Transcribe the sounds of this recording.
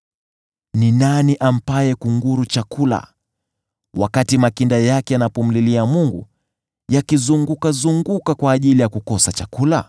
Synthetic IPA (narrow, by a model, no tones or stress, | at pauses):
ninaniʔam̩pajɛkuŋɡuɾut͡ʃakula̰ | wakatimakindajakɛanapɔm̩liliamuŋɡṵ | jakizuŋɡukazuŋɡukakwaːʄilijakukɔsat͡ʃakula